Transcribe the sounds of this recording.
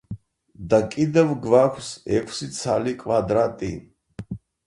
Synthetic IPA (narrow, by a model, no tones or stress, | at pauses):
d̪akʼid̪ɛvɡvakʷʰsɛkʷʰsit̪sʰalikʼvad̪ɾat̪ʼi